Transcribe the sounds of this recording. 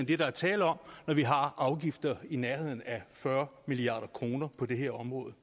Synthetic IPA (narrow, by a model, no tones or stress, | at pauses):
nd̥e̝ɾ̥ɑ̈æɐt͡sʰɛ̰ːləɒ̽m̰nɒʋiɦɑ̈ʔɑ̈ʊɡ̥ifd̥ɐinæɐhe̝ð̞̰ˠn̩æfɶɐmiliɑ̰̈ːɾ̥ɐkʰʁo̝ːnɐpʰɒ̽d̥e̝ɦe̝ɐ̰ɒ̽mʁɔ̽ːð̞̩ˠ